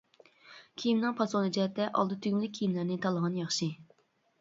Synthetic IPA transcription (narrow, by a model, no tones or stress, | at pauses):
kʲʰijimnɨŋpʰɑsonɨd͡ʒɛɛt̪ʰːɛʔɑ̰lˠd̪ɨt̪ʰyɡʲmɪlɪkʲʰːijimlæɾnɪt̪ʰɑlˠəʁɑnjɑχʃi